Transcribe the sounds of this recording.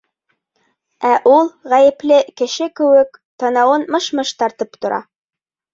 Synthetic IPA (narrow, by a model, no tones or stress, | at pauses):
æʔulˠʁæjɘ̆plɘkɘ̆ʃɘkɘ̆wɘkt̪ɑ̆nɑwɤnmɤ̆ʃmɤʃt̪ɑɾt̪ɤpt̪ŏɾʔɑ̰